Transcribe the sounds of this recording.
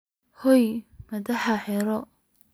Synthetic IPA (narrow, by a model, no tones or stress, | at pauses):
hɔjmɐðɐħaħɛɾɔ